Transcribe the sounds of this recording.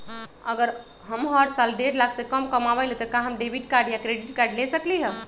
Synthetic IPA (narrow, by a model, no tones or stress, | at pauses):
əɡəɾ | ɦəmɦəʈsalɖeɾlakʰsekəmkəmabəlet̪ɔkaɦəmɖebʱiʈkaɾɖjakɾeɖiʈkaɾɖlesəkliɦɛ̃